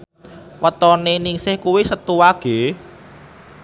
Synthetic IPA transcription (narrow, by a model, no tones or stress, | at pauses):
wət̪ɔneniŋsɪhkuwisət̪uwaɡ̥e̤